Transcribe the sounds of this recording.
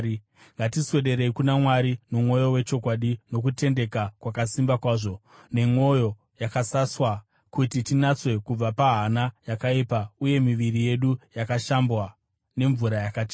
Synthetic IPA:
ŋɡatiswe̞ɗe̞ɾe̞ikunamwaɾinomwo̞jo̞we̞t͡ʃo̞kwaɗino̞k̬ute̞nde̞kakwakasimbakwaːʐo̞ | ne̞mo̞jo̞ | jakasaswa | kutitinat͡swe̞kub͡vapaɦanajakaipauje̞miʋirije̞ɗujakaʃambwa | ne̞ɱvuɾajakat͡ʃe

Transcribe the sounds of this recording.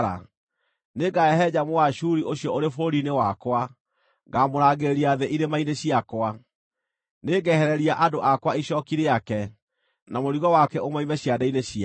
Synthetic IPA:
ɾa̰ | neɡaɛɦɛd͡ʑamowaʃuɾiʔoɕjɔoɾefoɾinewakwa | ɡamoɾaɣeeɾiaðeʔiɾemaineɕiakwa | neɡɛhɛɾɛɾiaʔadoʔakwaiɕɔkiɾeakɛ | namoɾiɣɔwakɛomwaimɛɕiadaineɕia

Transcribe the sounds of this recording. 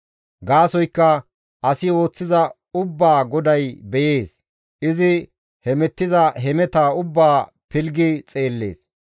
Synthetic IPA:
ɡaːsɔjkːɐ | ʔɐsɪo̞ːt͡sːɪzɐ | ʊbːaːɡɔd̪ɐjbɛje̞ːs | ʔɪzɪ | hɛmɛt̪ːɪzɐɦɛmɛt̪aːʊbːaː | pɪlɡɪt͡sʼe̞ːlːe̞̰ːs

